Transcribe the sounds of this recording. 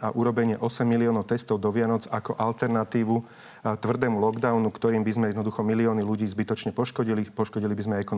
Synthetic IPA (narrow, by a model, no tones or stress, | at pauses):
a̰ʔuɾɔbɛɲɪɛʔɔsɛmːiliɔːnɔʊt̪ɛst̪ɔʊd̪ɔʋɪanɔd͡zakɔʔalt̪ɛɾnat̪iːʋu | t̪ʋr̩d̪ɛːmulɔɡd̪aʊnukt̪ɔɾiːmbizmɛjɛd̪nɔd̪uxɔmiliɔːniluɟiːzbit̪ɔt͡ʃɲɛpɔʃkɔɟilipɔʃkɔɟilibizmɛɛkɔn